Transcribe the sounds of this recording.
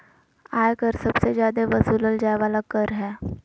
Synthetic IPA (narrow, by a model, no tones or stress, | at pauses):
aːjkəɾsəbsezjaːd̪eʋəsuːləld͡ʒajʋaːlakəɾɦɛː